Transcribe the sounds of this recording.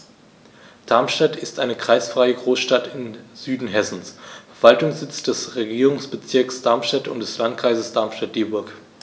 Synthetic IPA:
d̥aɐmʃtatʰɪstʔaɪnəkʁ̥aɪsfʁ̥aɪəɡʁoːsʃtatɪnzyːdn̩ɦɛsn̩sfɛɐv̥altʊŋsz̥ɪt͡sd̥ɛsʁeɡiːʁʊŋsb̥ət͡sɪɐksd̥aɐmʃtatʊ̰ntd̥ɛslantkʁ̥aɪzəsd̥aɐmʃtat̚d̥eːbʊɐk

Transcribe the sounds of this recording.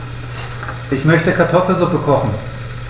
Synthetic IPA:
ʔɪçmœçtəkʰaɐtʰɔfl̩zʊpəkʰɔχn̩

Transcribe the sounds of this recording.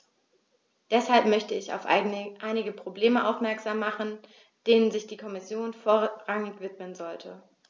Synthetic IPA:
d̥ɛshalpmœçtəɪça̰ʊfʔaɪnɪɡəpʁ̥obleːməʔaʊfmɛɐkz̥aːmːaχn̩ | d̥eːnənzɪçd̥iːkʰɔmɪsjoːnfoːɐʁaŋɪçv̥ɪtmənzɔltʰə̰

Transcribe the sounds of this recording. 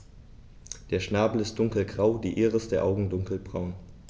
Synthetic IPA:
d̥eːɐʃnaːbl̩ɪst̚d̥ʊŋkl̩ɡʁaʊdiːʔeːʁəsd̥eːɐʔaʊɡŋ̩dʊŋkl̩bʁaʊn

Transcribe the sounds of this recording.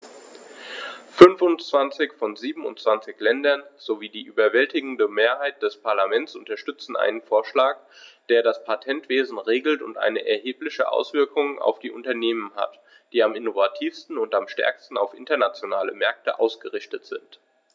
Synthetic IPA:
fʏnfʊnt͡sv̥ant͡sɪçfɔnziːbm̩ʊ̰ntt͡sv̥ant͡sɪçlɛndɐnz̥oviːdiːʔyːbɐvɛltɪɡŋ̩dəmeːɐɦaɪt̚d̥ɛspʰaɐlamɛnt͡sʔʊntɐʃtʏt͡sn̩ʔa̰ɪnənfoːɐʃlaːk̚ | d̥eːɐɾaspʰatʰɛntv̥eːzn̩ʁeːɡl̩tʊntʔa̰ɪnəʔɛɐɦeːplɪçə̰ʔa̰ʊsv̥ɪɐkʰʊŋa̰ʊfd̥iːʔʊntɐneːmənɦa̰t | d̥iːamɪnovatʰiːfstn̩ʊntamʃtɛ̰ɐkstn̩aʊfʔɪntɐnat͡sjonaːlə̰mɛɐk̚təʔa̰ʊsɡ̥əʁɪçtətz̥ɪnt

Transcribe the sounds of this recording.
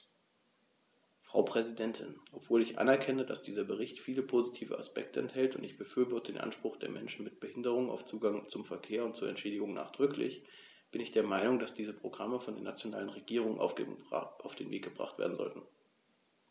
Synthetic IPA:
fʁ̥a̰ʊpʁ̥ɛzidɛntʰɪ̰nʔɔpv̥oːlɪçʔa̰nɛɐkʰɛnəda̰sd̥iːzɐbəʁɪçtfiːləpʰoːzitʰiːvə̰ʔaspɛ̰k̚tʰəɛnthɛltʊntɪçb̥əfyːɐbɔɐtəd̥eːnʔa̰nʃpʁ̥ʊχd̥eːɐmɛnʃn̩mɪt̚b̥əhɪndəʁ̞ʊŋəna̰ʊft͡suːɡaŋt͡sʊmfɛɐkʰeːɐʊnt̚t͡suːɐʔɛ̰ntʃeːdɪɡʊŋna̰ːχd̥ʁʏklɪ̰ç | b̥ɪnɪçd̥eːɐmaɪnʊŋdasd̥iːzəpʁ̥oɡʁaməfɔndeːɐnat͡sjonaːlənʁeɡiːʁ̞ʊŋən | ʔaʊfd̥eːnvḛːk̚ɡ̥əbʁa̰χtv̥ḛɐdn̩zɔ̰ltn̩

